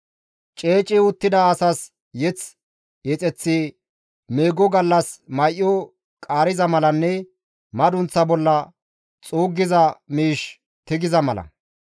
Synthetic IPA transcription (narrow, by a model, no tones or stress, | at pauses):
t͡ʃʼeːt͡ʃʼːɪʊt̪ːɪd̪ɐːsɐs | jɛt͡s | jɛt͡sʼɛt͡sːɪ | meːɡɔɡɐlːɐsmɐjʔjːɔ | kʼaːɾɪzɐmɐlɐnːɛ | mɐd̪ʊnt͡sːɐbɔlːɐ | t͡sʼuːɡːɪzɐmiːʃ | t̪ɪɡɪzɐmɐlɐ̰